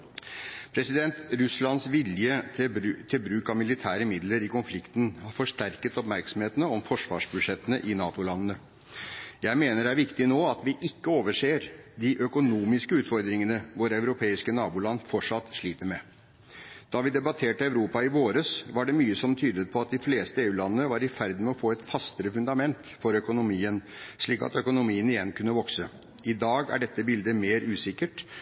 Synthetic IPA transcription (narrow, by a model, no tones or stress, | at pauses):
pʰɾɛsɪd̪ɛnt̪ɾʉslɑnsʋɪljət̪ʰɪlbɾʉːkɑmɪlɪt̪ʰæːɾəmɪd̪ləɾɪkʊnflɪkt̪ən̩hɑfɔʂt̪æɾkət̪ɔpmæɾksɔmheːt̪ənəɔmfɔʂʋɑ̰ːʂbʉd̪ʂɛt̪ənəʔɪnɑːt̪ʊlɑnːənə | jæɪmeːnəɾæɾʋɪkt̪ɪnoːɑt̪ʋɪʔɪkːəoːʋəʂeːɾd̪ɪʔœkʊnuːmɪskəʉːt̪fɔɾd̪ɾɪŋənəʋʊɾæʉɾʊpʰeːɪskənɑːbuːlɑnfɔʈʂɑt̪ːʂɭiːt̪əɾmɛ | d̪̥ɑʋɪd̪ɛbɑt̪ʰeːʈəɑʉɾuːpɑɪʋoːɾəsʋɑɖɛmyːəsɔmt̪ʰyːd̪ət̪̚pʰɔɑt̪̚d̪ɪfleːst̪əeːʉːlɑnəːəʋɑɾɪfæɾd̪n̩mɛɔfoːɛt̪fɑst̪əɾəfʉnd̪ɑmɛnt̪fɔɾœkʊnʊmiːənʂɭiːkɑ̰t̪œkʊnʊmiːənɪjɛnkʰʉnːəʋɔksə | ɪd̪ɑːɡæ̰ɖɛt̪ːəbɪld̪əmeːɾʉːsɪkːəʈ